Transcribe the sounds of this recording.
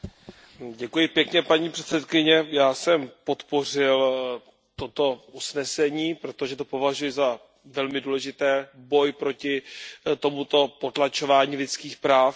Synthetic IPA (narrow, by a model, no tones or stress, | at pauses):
ɟɛkujɪpjɛkɲɛpaɲiːpr̥ɛt̪sɛt̪kɪɲɛjaːsɛmpo̞t̪po̞r̝ɪl | t̪o̞t̪o̞ʔusnɛsɛɲiːpɾo̞t̪o̞ʒɛt̪o̞po̞vaʒujɪza | vɛlmɪduːlɛʒɪt̪ɛːbo̞jpɾo̞cɪt̪o̞mut̪o̞po̞t̪lat͡ʃo̞vaːɲiːlɪt͡skiːxpɾaːf